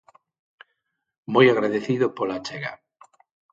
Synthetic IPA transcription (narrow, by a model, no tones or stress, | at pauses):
mojaɣɾaðeθiðopolat͡ʃeɣa